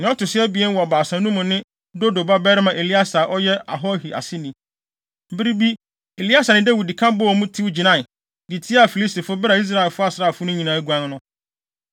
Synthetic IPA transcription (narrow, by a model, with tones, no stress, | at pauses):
nɪ̃˨ɔ˦tʊ˨sɪ˦ɛ˦bi˨ɛ˦n˦wɔ˨a˨baː˨sã˨˦nũ˦mʊ̃˨nɪ̃˦ | do˦do˨ba˦bɛ˦ɾɪ˦mã˨ʔe˨li˦a˦sa˨ʔɔ˦jɛ˦a̰˨ɦɔ˦hi˨ʔa̰˨sɪ˦nĩ˨ | m̩˦bɪ˦ɾi˦bi˦ | e˨li˦a˦sa˨nɪ̃˦da˦wi˨di˨kʰã˦m˦bɔ˦wmũ˦tʰi˦wd͡ʑi˨nã˦˨ | di˨tʰi˦a˦˨fi˨li˦sti˨fʊ˦bɾa˨i˦s̬ɾa˦˨ɛ˨lfʊ˦a˦sɾa˦˨fʊ˦nʊ̃˦ɲĩ˨nãː˨æ˦ɡu˨ã˦n˦nʊ̃˦